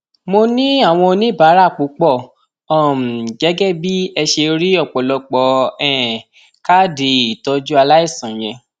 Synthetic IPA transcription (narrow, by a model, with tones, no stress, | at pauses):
mo˧nĩ˦a˦˨w̃ɔ̃˧o˧nĩ˦ba˨˦ɾa˦˨k͡pu˨˦k͡pɔ˦˨ | ɔ˦˨m̩˨d͡ʒɛ˨˦ɡɛ˦˨bi˦ɛ˧ʃe˧ɾi˦ɔ˦˨k͡pɔ˨lɔ˧k͡pɔ˨˦ɛ˨ | ka˦de˨i˨tɔ˧d͡ʒu˦a˧la˦i˦˨sã˨j̃ɛ̃˧